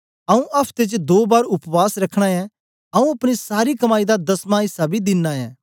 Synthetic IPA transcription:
ɐũʔɐpʰt̪et͡ʃd̪oːbaːɾʊpʋaːsɾɐkʰːɽ̃aɛ̃ | ɐũɐpɽ̃isaːɾikɐmaːid̪ad̪ɐsmãːɪsabid̪ɪnːaɛ̰̃ː

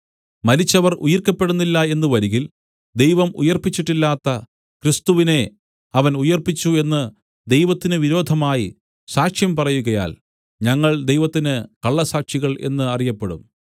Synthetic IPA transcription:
mɐɾit͡ɕːɐʋɐrujɐrkːɐpːe̞ɽunːilːɐe̞nːɨʋɐɾiɣil | d̪e̞jʋɐmṵjɐrpit͡ɕːiʈːilːaːt̪ːɐ | krist̪uʋine̞ | ɐʋɐnujɐrpit͡ɕːue̞nːɨ | d̪e̞jʋɐt̪ːinɨʋiɾo̞ːd̪ʱɐmaːji | saːkʂjɐmpɐrɐjuɣɐja̰ːl | ɲɐŋːɐɭd̪e̞jʋɐt̪ːinɨkɐɭːɐsaːkʂiɣɐɭe̞̰nːɨɐrijɐpːe̞ɽum

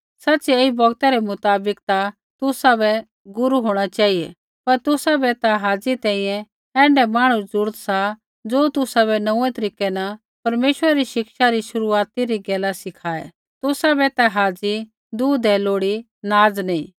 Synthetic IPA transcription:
sɐtːt͡ʃeːibɔɡt̪ɛɾɛmʊt̪aːbɪkt̪a | t̪ʊsabɛ | ɡʊɾuɦoːɽ̃at͡ʃaːijɛ̰ | pɐɾt̪ʊsabɛt̪aɦaːd͡zit̪ɛ̃ːĩjɛ̃ | ɛ̃ːɳɖɛmaːɽ̃ũd͡zʊɾt̪sa | d͡zoːt̪ʊsaβɛnɐũːɛ̃t̪ɐɾiːkɛna | pɐɾmeːʃəɾaɾiʃɪkʃaɾiʃʊɾuaːt̪iɾiɡɛːlasɪkʰaːɛ̰ | t̪ʊsabɛt̪aɦaːd͡zi | d̪uːd̪ɛloːɽi | naːd͡znɐĩː

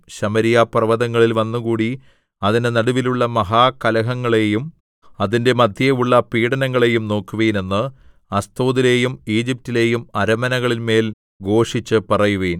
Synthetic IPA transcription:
ɕɐmɐɾijaprɐʋɐðɐŋːɐɭilʋɐnːukuːɽi | ɐðinenɐɽuʋiluɭːɐmɐɦaːkɐlɐɦɐŋːɐɭe̞jum | ɐðinde̞mɐd̪ʱjɐuɭːɐpiːɽɐnɐŋːɐɭe̞jumno̞ːkːuʋeːne̞nːɨ | ɐst̪oːðile̞ːjumiːd͡ʑip̚tːile̞ːjumɐɾɐmɐnɐɣɐɭilme̞ːl | ɡo̞ːʂit͡ɕːɨpɐrɐjuʋeːn

